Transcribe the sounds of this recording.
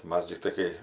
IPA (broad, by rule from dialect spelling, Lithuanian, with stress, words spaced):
ˈmɐs tʲɪkˈtɐɪ kɐɪ